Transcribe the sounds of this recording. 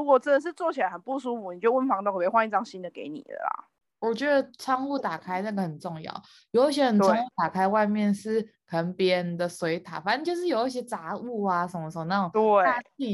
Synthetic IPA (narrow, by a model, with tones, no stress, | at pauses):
u˧˥kwɔ˨˩t͡sə˥d̪ə˨ʂ̬ɻ̩˥˧t͡swɔ˥˩t͡ɕʰi˨la˧˦ə˨˩npu˥˧s̬u˥fu˨˩ni˨˩jo˥˧wə˥˩nfɑ˧˥ŋt̪ɔ˥˩ŋ˧˨˧xwa˥ni˥˧ʈ͡ʂɑ˥ŋɕi˦˥nd̪ə˨ke˧˥ɪnḭ˨˩də̰˩la̰˩ | wɔ˨˩t͡ɕɥɛ˧˥d̪ə˨t͡sʰɑ˥ŋu˥˩t̪a˨˩kʰa˥ɪna˥˩ɡə˩hə˨˩nʈ͡ʂo˥˧ŋjɑ̰˥˨˩ʊ | jo˨˧˦i˥˩ɕ̬jɛ˦˥xə˨˩nɑ˥ŋu˥˩t̪a˨˩kʰa˥ɪwa˥˧ɪmjɛ˥˧nʂɻ̩˥˩kʰə˨˩ə˧˦ŋpjɛ˧nd̪ə˨swe˧˥ɪt̪ʰa̰˨˩fa˨˦nə˥˧nt͡ɕjo˥˧ʊʂ̬ɻ̩˥˩jo˨˩i˥ɕ̬jɛ˥t͡sa˧˥˦u˥˩a˨˩ʂə˨˦nmə˧ʂə˧˩˧na˥˩˨t̪a˥˧i˥˧˩